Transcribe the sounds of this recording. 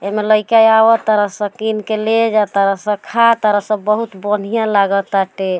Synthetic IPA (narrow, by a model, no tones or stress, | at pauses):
emeləɪkajawət̪əɾəsə̃kinkeled͡ʒat̪əɾəsə̃kʰat̪əɾəsə̃bəɦut̪bən̤ijãlaɡət̪aʈe